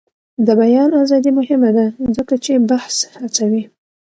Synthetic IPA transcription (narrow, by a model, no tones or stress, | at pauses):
d̪əbajɑnazɑd̪imʊhɪmad̪azəkat͡ʃebahshat͡sawi